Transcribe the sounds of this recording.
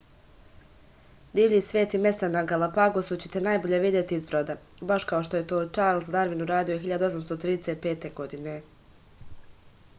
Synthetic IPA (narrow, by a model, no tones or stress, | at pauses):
d̪iːʋɲiːsʋʲje̞ːt̪ime̞st̪anaɡalˠapaɡosut͡ɕe̥t̪enajboʎeʋid̪jet̪iizbɾod̪a | baʃkao̞ʃt̪o̞jet̪o̞ːt͡ʃaːɾlˠsd̪aɾʋinuɾaːd̪ioɦiʎad̪uo̞samst̪ot̪ɾiːd̪eset̪̚pe̞ːt̪e̞ɡo̞d̪ine̞